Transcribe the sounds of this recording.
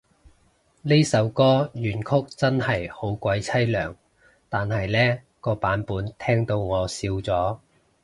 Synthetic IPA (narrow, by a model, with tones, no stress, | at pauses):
le˥jsɐ˨˧˥wkɔː˥jyː˨˩nkʰʊ˥k̚t͡sɐ˥nhɐ˨˩jho˨˥wkʷɐ˨˧jt͡sʰɐ˥jlœː˨˩ŋ | t̪aː˨nhɐ˨jlɛː˥ | kɔː˧paː˨˥npuː˨˥nt̪ʰɛː˥ŋt̪o˧wŋɔː˨˧siː˧wt͡sɔː˨˥